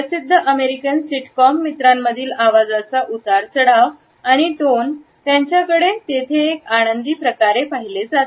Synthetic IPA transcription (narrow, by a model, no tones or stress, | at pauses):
pəsid̪ʱːəʔəmeɾikənsiʈkɔmːit̪ɾamːəd̪ʱiːlaʋad͡zat͡saʔut̪aɾt͡səɽaʋ | aɽ̃iʈon | t̪jaɲt͡ɕjakəɽet̪et̪ʰeːkaɽ̃ənd̪iːpɾəkaɾepaɦiled͡zat̪